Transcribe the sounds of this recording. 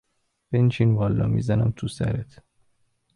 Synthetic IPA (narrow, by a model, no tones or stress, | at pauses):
b̥ent͡ʃʰinvɒːlːɒ̰ːmḭːzænæmt̪ʰusæ̰ɾet̪ʰ